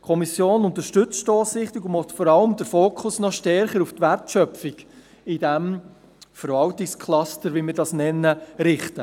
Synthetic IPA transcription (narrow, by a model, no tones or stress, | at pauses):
kʰɔmisjoːnʊnt̪əɾʃtɵt͡stɔːsɪχtɪɡʊɔt̪fɔɾɑləmd̥əɾfoːkʰʊsnɔʃtɛɾχəɾuftʋærtʃœpfɪɡ | ɪd̥æm | fəɾvɑltɪkskʰlɑstəɾʋimɪɾdɑsnɛnːəɾɪχtə